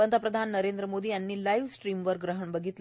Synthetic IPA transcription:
ənd̪ʱapɾəd̪ʱanːəɾend̪ɾəmod̪ʱiːjanːiːlaiʋsʈɾiːmʋəɾɡɾəɦəɳbəɡʱit̪l

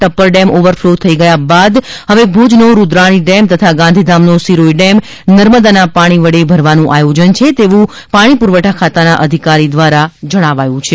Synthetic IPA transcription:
ʈəpːəɾɖɛmʔoʋəɾflot̪ʰəiɡəjabad̪ | ɦəʋebʱud͡ʒnoɾud̪ɾaɽ̃iɖɛmt̪ət̪ʰaɡãnd̪ʱid̪ʱamnosiɾoiɖɛm | nəɾməd̪anapaɽ̃iʋəɽebʱəɾʋanũʔajod͡ʒənt͡ʃʰet̪eʋũ | paɽ̃ipuɾʋəʈʰakʰat̪anaʔəd̪ʱikaɾid̪ʋaɾad͡ʒəɽ̃aʋajũt͡ʃʰe

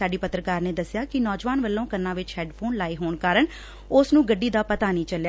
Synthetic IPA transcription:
aːɖiːpət̪ɾəkaːɾneːd̪əsːɪjaːkɪnɔːd͡ʒʋaːnʋəlːõːkənːãːʋɪt͡ʃhɛːɖpʰoːnlaːiːɦoːɳkaːɾəɳ | ʊsnũːɡəɖːiːd̪aːpət̪aːnĩːt͡ʃəlja

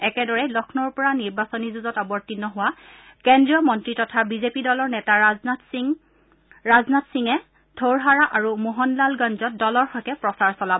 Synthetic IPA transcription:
ɛkɛdɔɹɛlɔkʰnɔɹpɔɹaniɹbasɔnizuzɔtabɔɹtinɔɦʊwa | kɛndɹiɔmɔntɹitɔtʰabizepidɔlɔɹnɛtatŋ | ɹaznatsiŋɛ | dʰʱoɹɦaɹaʔaɹumuɦɔnlalɡanzɔt̚dɔlɔɹxɔjtɛpɹɔsaɹsɔlab

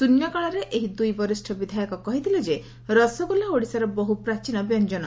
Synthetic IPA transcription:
sunjɔkaɭaɾeʔeɦid̪ujbɔɾisʈʰɔbid̪ʱajɔkɔkɔɦit̪ʰiled͡ʒe | ɾɔsɔɡulaoɽisaɾɔbɔɦupɾat͡ʃinɔbjɔnd͡ʒɔn̰

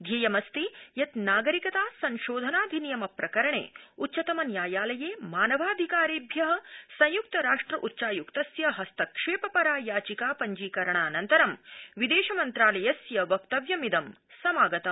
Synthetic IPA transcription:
d̪ʱjɐːjɐmɐst̪ijɐt̪naːɡɐɾikɐt̪aːsɐ̃nʃoːd̪ʱɐnaːd̪ʱinijɐmɐpɾɐkɐɾɐɳḛːutːʃɐt̪ɐmɐnjaːjaːlɐjeːmaːnɐʋaːd̪ʱikaːɾiːbʱjɐɦɐ̆sɐ̃j̃juk̚t̪ɐɾaːʂʈɾɐʔutːʃaːjukt̪ɐsjɐɦɐst̪ɐkʂeːpɐpɐɾaːjaːt͡ʃikaːpɐɲd͡ʒiːkɐɾɐɳaːnɐnt̪ɐɾɐmʋid̪eːʃɐmɐnt̪ɾaːlɐjɐsjɐʋɐkt̪ɐʋjɐmid̪ɐm | sɐmaːɡɐt̪ɐm

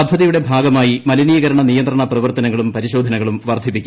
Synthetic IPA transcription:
ɐd̪ʱːɐðɐjuɽe̞bʱaːɡɐmaːjimɐlinijɐɣɐɾɐɳɐnijɐntd̪rɐɳɐprɐʋɐrt̪ɐnɐŋːɐɭumpɐɾiɕo̞ːd̪ʱɐnɐŋːɐɭumʋɐrd̪ʱipːikʲːu

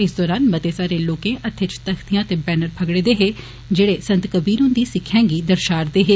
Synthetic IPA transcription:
ɪsd̪ɔːɾaːnmət̪eːsaːɾeːloːkẽːʔət̪ʰːet͡ʃt̪əkʰt̪ijãːt̪eːbɛːnəɾpʰəɡɽeːd̪eːɦeː | d͡ʒeːɽeːsənt̪kəbiːɾõːnd̪iːsɪkʰːãːŋɡiːd̪əɾʃaːɾd̪eːɦeː

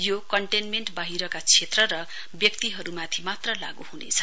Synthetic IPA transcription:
jokʌɳʈenmeɳʈbaɦiɾʌkat͡sʰet̪rʌɾʌ | bjʌkt̪iɦʌɾumat̪ʰimat̪rʌla̰ɡuhunḛt͡sʰʌ̥

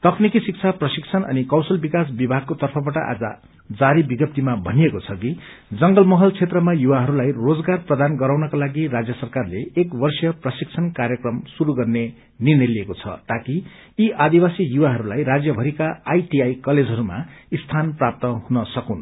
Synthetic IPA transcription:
t̪ʌknikisik̚t͡sʰaprʌsikt͡sʰʌnʌ̰nikʌwsʌlbikasbibʱaɡ̚kot̪ʌrpʰʌbaʈʌʔa̰d͡zʌ̰ | d͡zaɾibiɡʌp̚t̪imabʱʌnijekot͡sʰʌki | d͡zʌŋɡʌlmʌɦʌlt͡sʰet̪rʌmajuwaɦʌɾulajrod͡zɡarprʌd̪anɡʌɾawnʌkalaɡiɾad͡zjʌsʌrkarleekbʌrsjʌprʌsik̚t͡sʰʌnkaɾjʌkrʌmsuɾuɡʌrne | nirnʌjliekot͡sʰʌ̰t̪akiː | ʔad̪iwasijuwaɦʌɾulajɾad͡zjʌbʱʌɾikaajʈiajkʌled͡zʱɦʌɾuma̰ist̪ʰanprap̚t̪ʌɦunʌsʌkun

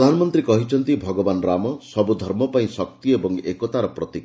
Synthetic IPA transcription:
d̪ʱanɔmɔnt̪ɾikɔɦit͡ʃʰɔnt̪ibʱɔɡɔbanɾamɔsɔbud̪ʱɔɾmɔpaĩsɔk̚t̪iebɔŋekɔt̪aɾɔpɾɔt̪ik

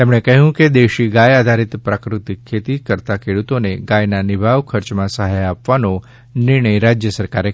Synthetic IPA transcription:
t̪emɳekəɦjũked̪eʃiɡajad̪ʱaɾit̪pɾakɾut̪ikʰːet̪ikəɾt̪akʰeɽut̪oneɡajnanɪbʱaʋkʰəɾt͡ʃmãsəɦajapʋano | nɪɾɳəjɾad͡ʒjəsəɾkaɾe

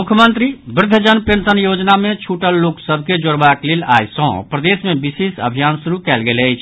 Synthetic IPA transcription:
mukʰjəmənt̪ɾibɾɪd̪ʱːəd͡ʒənpensənjod͡ʒnamet͡ʃʰuʈəlːoksəbʱked͡ʒoɾbaklela̰jsɔ̃pɾəd̪esmebisesə̰bʱijansuɾukɛlɡeləjt͡ʃʰ

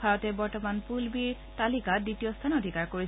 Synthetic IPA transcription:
aɹɔtɛbɔɹtɔmanpulbiɹ | talikaditijɔstʰanodʱikaɹkoɹi

